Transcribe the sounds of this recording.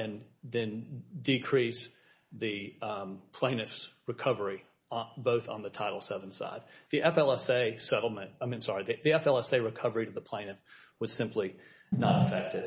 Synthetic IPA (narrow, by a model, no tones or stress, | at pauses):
ɨ̃nðɨ̃ndɨkʰɹ̥is | ðɨ | pʰl̥ẽɪ̃nɨfsɹɨkʰʌvə˞i | boʊθn̩ðɨtʰaɪɾl̩ˠsɛvn̩sa̰ɪd̪̚ðiʔɛfɛlˠɛseɪsɛɾl̩ˠmɨ̃nt̚aɪ̃m̃msɑɹiðiðiɛfɛlˠɛseɪɹɨkʰʌvə˞iɾɨðəpʰl̥ẽɪ̃nɨf | wʌz̥sɪ̃mpʰli | nəɾəfɛk̚tɨd